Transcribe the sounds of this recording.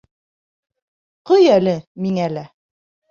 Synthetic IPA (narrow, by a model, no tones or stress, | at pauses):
qɤjælɘmiŋælæ